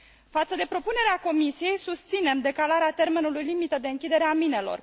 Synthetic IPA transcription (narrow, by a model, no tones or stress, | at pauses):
fat̪səd̪e̞pɾo̞pune̞ɾeako̞misije̞jsust̪sine̞md̪e̞kalaɾeat̪e̞rme̞nulujlimit̪əd̪e̞ɨŋkʲid̪e̞ɾeamine̞lo̞̰r